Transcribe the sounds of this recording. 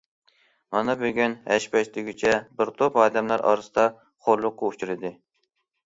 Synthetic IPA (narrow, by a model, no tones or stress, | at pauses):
mɑnɑbøɡʲynhɛʃpɛʃt̪ɪɡʲyt͡ʃʰɛbɪɾt̪ʰopɑːd̪ɛmlæɾʔɑ̰ɾɨsɨd̪ɑ | χoɾlˠʊqːʊut͡ʃʰuɾɪd̪ɪ